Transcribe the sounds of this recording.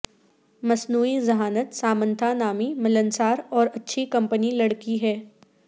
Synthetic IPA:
mɐsnuːizɐɦaːnət̪saːmə̃nt̪ʰanaːmimɪlənsaːɾɔːɾɐtːʃʰikɐ̃mpənilɐɽkiɦɛː

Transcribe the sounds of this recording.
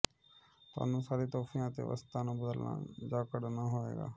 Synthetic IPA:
t̪ʊa̰ːnũːsaːɾiːt̪ɔːfʰijãːt̪ḛːʋə̰st̪aːnũːbəd̪əlna̰ːd͡ʒaːkəɽnaːɦoːḛːɡa̰ː

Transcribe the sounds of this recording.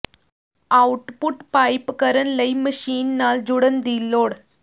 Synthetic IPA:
awʈpuʈpajpkəɾənləjməɕiːnːaːld͡ʑuɽənd̪iːlːoːɽ

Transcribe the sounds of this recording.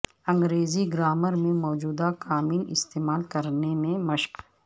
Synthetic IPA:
ɐ̃ŋɡɾeːziɡɾaːməɾmẽmɔːd͡ʒuːd̪akaːmiːnɪ̰st̪eːmaːlkɐɾnemẽmɐʃp

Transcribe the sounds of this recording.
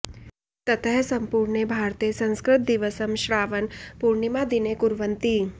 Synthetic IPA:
t̪ɐt̪ʰəɦsɐ̃mpuɾɳebʱaːɾt̪esɐ̃nskɾɪt̪̚d̪iʋəsəmʃɾaːʋənpuɾɳimãd̪inekuɾʋənt̪iː

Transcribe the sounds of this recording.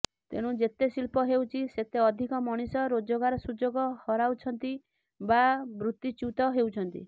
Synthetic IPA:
t̪ḛɽ̃ũd͡ʒet̪esilpɔɦewt͡ʃʰiset̪eɔd̪ʱikɔmɔɽ̃isɔɾod͡ʒoɡaɾɔsud͡ʒoɡɔhɔɾawt͡ʃʰɔnt̪i | babɾut̪ːjit͡ʃut̪ɔɦewt͡ʃʰɔnt̪ḭ

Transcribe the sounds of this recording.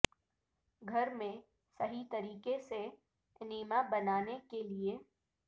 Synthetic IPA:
ɡʱɐɾmẽ | sɐɦit̪ɐɾiːkese | nɪmabɐnaːnekelie

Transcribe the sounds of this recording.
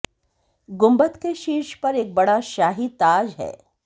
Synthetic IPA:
ɡʊ̃mbət̪keʃiːʃpɐɾeːk̚bɐɽaʃaːɦit̪aːd͡ʒɦɛ̰ː

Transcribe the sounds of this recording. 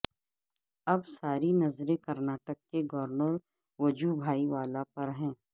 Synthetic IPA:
ɐbsaːɾinɐzɾẽkɐɾnaːʈəkːeɡɔːɾnəɾ | ʋɐd͡ʒubʱaːiʋaːlapɐɾɦɛ̃ː

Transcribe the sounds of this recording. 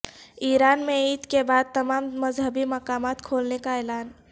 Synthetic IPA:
iːɾaːnmẽiːt̪kebaːd̪̚t̪əmaːmməzɦəbimɐkaːmaːt̪kʰoːlnekaɛːlaːn

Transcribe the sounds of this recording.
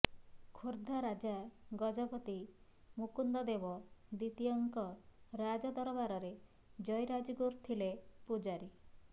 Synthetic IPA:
kʰoɾd̪ʱaɾad͡ʒaɡɔd͡ʒɔpɔt̪imukund̪ɔd̪ebɔd̪it̪ijɔŋkɔɾad͡ʒɔd̪ɔɾɔbaɾɔɾe | d͡ʒɔjɾad͡ʒɔɡuɾt̪ʰilepud͡ʒaɾi

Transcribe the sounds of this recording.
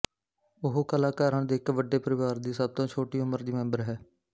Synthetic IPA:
ʊɦokəlaːkaːɾəɳd̪eːɪkʋəɖːeːpəɾɪʋaːɾd̪iːsəb̚t̪õːt͡ʃʰoːʈiːʊməɾd̪iːmɛ̃mbəɾɦɛː

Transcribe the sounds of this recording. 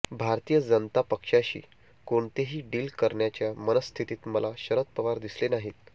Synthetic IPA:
bʱaɾt̪ijəd͡zənt̪apəkʂaɕḭː | koɳt̪eɦiːɖiːlkəɾɳjat͡ɕjamənəst̪ʰit̪iːt̪məlaɕəɾət̪̚pəʋaɾd̪islenaɦit̪

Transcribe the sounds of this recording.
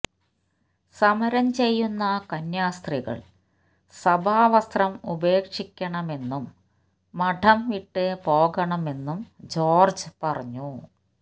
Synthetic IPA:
sɐmɐɾɐmt͡ɕe̞jːunːɐkɐnjaːst̪riɣɐ̰ɭ | sɐbʱaːʋɐst̪rɐmube̞ːkʂikʲːɐɳɐme̞nːumː | ɐʈʰɐmʋiʈːɨpo̞ːɣɐɳɐme̞nːumd͡ʑo̞ːrd͡ʑɨpɐrɐɲːu

